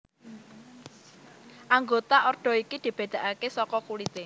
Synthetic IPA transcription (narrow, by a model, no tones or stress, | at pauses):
ʔaŋɡot̪aʔɔrɖ̪̥ɔ̤ikid̪̥i̤b̥e̤d̪̥ä̤ʔakesɔkɔkulit̪e